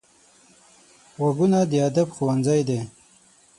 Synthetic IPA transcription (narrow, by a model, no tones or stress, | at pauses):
ɣaɡunad̪əad̪abxowanzajd̪e